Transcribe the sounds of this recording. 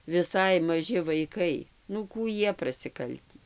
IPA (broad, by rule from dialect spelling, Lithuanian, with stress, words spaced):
ʋʲɪˈsɐɪ mɐˈʒʲɪ ʋɐɪˈkɐɪ nʊ ˈkuː ˈjiɛ prɐsʲɪˈkɐlʲtʲiː